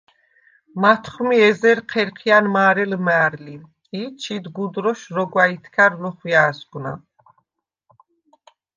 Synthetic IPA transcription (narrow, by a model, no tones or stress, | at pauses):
mat̪ʰχmiɛzɛɾqʰɛɾqʰianmaːɾɛlmɛːɾli | it͡ʃʰid̪ɡud̪ɾɔʃɾɔɡwait̪ʰkʰaɾlɔχwjaːsɡna̰